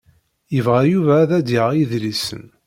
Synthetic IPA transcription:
jəvʁæjuvæðæd̪iʁjiðlisə̰n

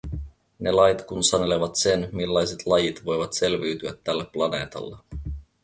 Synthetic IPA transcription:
ne̞lɑjt̪kunsɑne̞leʋɑt̪se̞nmilːɑjse̞t̪ʰlɑjit̪ʋo̞jʋɑt̪se̞lʋiɥt̪yæt̪ːælːæpplɑne̞̰ːt̪ɑ̰lːɑ

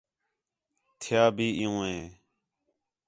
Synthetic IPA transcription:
t̪ʰɪjaːbʱiːʔɪjũːɦẽː

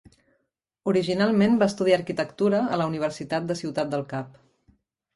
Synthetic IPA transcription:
uɾiʒinalˠmenbaəst̪uðiaːɾkit̪əkt̪uɾəːləuniβ̞əɾsit̪at̪̚d̪əsiwt̪at̪̚d̪əlˠkap̚

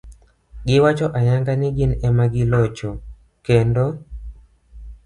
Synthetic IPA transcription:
ɡɪwat͡ʃɔʔaɲaŋɡanɪɡɪnɛmaɡɪlɔt͡ʃɔ | kendo

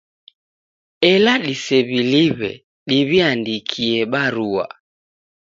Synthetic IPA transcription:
ɛlaɗisɛβiliβɛ̰ | ɗiβiandikʰiɛɓaɾua̰

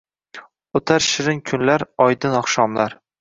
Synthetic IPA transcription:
ot̪ʰaɾʃɪɾɪŋkʲʰʊnlaɾɒjd̪ɪnɒχʃɒmlaɾ

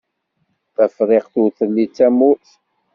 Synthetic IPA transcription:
θæfɾˤɪqθuθəlːit͡sːæmuθ

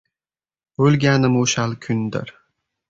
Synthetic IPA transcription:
ølɡʲænə̆muɕɑlˠkʲʰynd̪ə̰ɾ

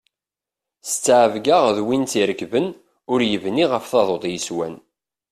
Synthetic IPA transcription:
st͡sːʕəvɡaʁðwint͡siɾəkvən | ʊɾjəvniʁəfθɑðˤod̪ˤjəswæ̰n

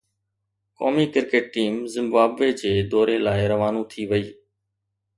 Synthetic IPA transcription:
kɔ̰ːmiːkɪɾkeːʈ̚ʈiːmzɪ̃mbaːbʋed͡ʑeːd̪ɔːɾelaːɪɾɐʋaːnũt̪ʰiʋəiː

